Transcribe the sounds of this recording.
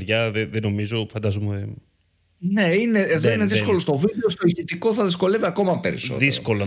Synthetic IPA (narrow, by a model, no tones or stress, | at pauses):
ɾʝɐðeðeno̞mizo̞fɐnd̪ɐzome | ne̞ine̞ːðo̞ine̞ðisko̞lo̞st̪o̞vid̪eost̪o̞içit̪iko̞θɐðisko̞le̞viɐko̞mɐpe̞ɾḭso̰ðḭsko̞lɐ